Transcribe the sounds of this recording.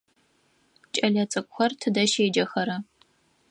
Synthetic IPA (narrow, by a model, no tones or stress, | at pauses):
t͡ʃʼɐɮɐt͡sʼɐkʷʼxʷɐrtʰɨdɐʃeːd͡ʒɐxɐɾɐ